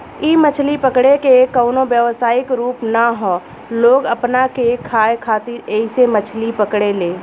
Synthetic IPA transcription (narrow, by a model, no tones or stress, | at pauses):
imət͡ʃʰlipəkɽekekəːnobjəʋsaːɪkɾuːpnaɦoː | loːɡəpnakekʰaːekʰaːt̪ɪɾeɪsemət͡ʃʰlipəkɽeleː